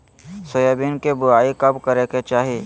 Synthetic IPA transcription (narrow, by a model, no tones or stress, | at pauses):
sʊjobinkebʊɾaːikɐbkɐɾeket͡ʃaːɦieː